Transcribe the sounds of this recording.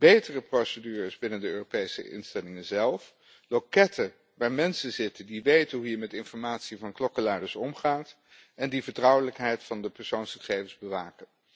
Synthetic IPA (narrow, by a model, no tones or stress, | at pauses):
b̥ejtərəprowsədyːrəzbɪnəndəøːropejsə̰ʔɪ̰nstɛlɪŋənzɛlˠf | lokɛtʰə | ʋaːɹmɛnsənzɪtəndiʋejtənɦuɦiːɹmɛtɪnfɔɹmaːtsivɑnklɔkəlɛdəɹsɔmχaːt | ɛndivəɹtrʌwələkɦɛjtfɑndəpɛɹsownsχə̥χejvənzbəʋaːkən